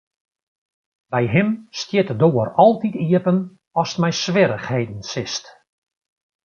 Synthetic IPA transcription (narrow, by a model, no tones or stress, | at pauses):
bɛjɦɪmstjɪtədoːərɔlˠtitiəpən | ɔsə̥tmɛjsʋɪɾəxhejdn̩sɪst